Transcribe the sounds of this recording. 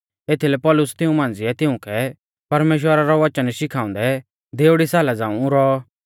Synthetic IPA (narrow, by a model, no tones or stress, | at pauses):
eːt̪ʰilɛpɔːlʊst̪ɪũmãːn̆d͡zɪɛt̪ɪʊ̃kʰɛ | pɐɾmeːʃ̬wəɾaɾɔʋɐt͡ʃənʃɪkʰãːʊ̃nd̪ɛ | d̪eːʊɽisaːlad͡zãːũuɾɔ